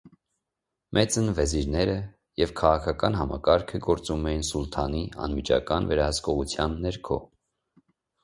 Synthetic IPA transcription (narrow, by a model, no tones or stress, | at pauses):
mʔɛt͡sənvɛziɾnɛɾə | jɛvkʰɑʁɑkʰɑkɑn̪hɑmɑkɑɾkʰəɡɔɾt͡sumɛjinsult̪ʰɑniɑ̰nmit͡ʃʰɑ̰kɑnvɛɾɑɦəskɔʁut͡sʰjɑnːɛɾkʰɔ̰